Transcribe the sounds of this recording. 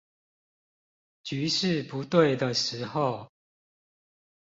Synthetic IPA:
t͡ɕy˧˥˦ʂɻ̩˥˨pu˨˦t̪we˥˨ɪd̪ə˨˩ʂɻ̩˧˥xo˥˨ʊ

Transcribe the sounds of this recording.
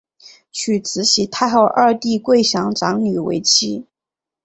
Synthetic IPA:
t͡ɕʰy˨˩t͡sʰɹ̩˧˥ɕi˧˥t̪ʰa˥˧ɪxɑ˥˧ʊʔɐ˥˧t̪i˥˧kwe˥˩ɪɕjɑ˧˥ŋʈ͡ʂɑ˧˥ŋny˨˩wḛ˧˥ɪt͡ɕʰi˥

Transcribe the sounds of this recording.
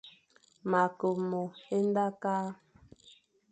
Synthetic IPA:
ma˨ko˨mo˨e˦n˦da˦kaː˦

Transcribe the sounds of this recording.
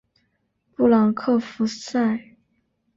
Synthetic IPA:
pu˥˩lɑ˨˩ŋkʰɤ˥˩fu˧˥sa˥˩ɪ

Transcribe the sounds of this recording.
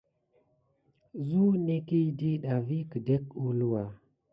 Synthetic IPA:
zu˦ne˦ki˦di˦ɗa˨vi˦ki˨de˦ku˦lu˦wa˨

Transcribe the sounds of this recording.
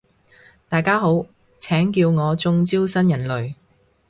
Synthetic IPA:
t̪aː˨jkaː˥ɦo˨˥w | t͡sʰɛː˨˥ŋkiː˧wŋɔː˨˧t͡sʊ˧ŋt͡siː˥wsɐ˥njɐ˨˩nlɵ˨ɥ

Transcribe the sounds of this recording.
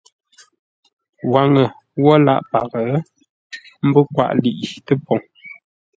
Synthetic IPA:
wa˨ŋə˨ | wɔ˦la̰˦˨ʔpa˨ɣə˨ | m̩˦bə˦kwa̰˦˨ʔli˨ʔtə˦pɔ˨ŋ

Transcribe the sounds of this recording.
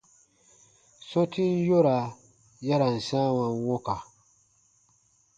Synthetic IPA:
sɔ̃˦tʰi˦n˦jo˦ɾa˨ | ja˦ɾa˨n̩˨sã˦wã˨nwo˦ka˨

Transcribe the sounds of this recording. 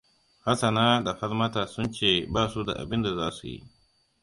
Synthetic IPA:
ha˦sɐ˨naː˦da˨ɸɐ˦lmɐ˦taː˨sʊ˦nt͡ʃeː˦˨baː˦su˦da̰˨ʔa̰˨bɪ˦nda˨zaː˦su˨jḭ˦ʔ

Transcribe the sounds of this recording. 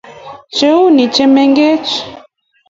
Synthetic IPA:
t͡ʃe˦u˦ni˨t͡ʃɛ˦mɛ˦ŋɡe˦t͡ʃi̥˨

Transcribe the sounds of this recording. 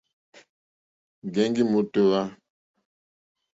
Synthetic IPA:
ɡɛ˦ŋɡi˦mo˦to˨ɣa˦

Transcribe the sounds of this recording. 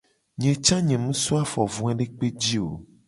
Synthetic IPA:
ɲɛ̃˨t͡ʃã˦ɲɛ̃˨mũ˦su˦a˦fɔ˨vũ˨ɛ̃˦ɖe˦k͡pe˦d͡ʑi˦o̰˨

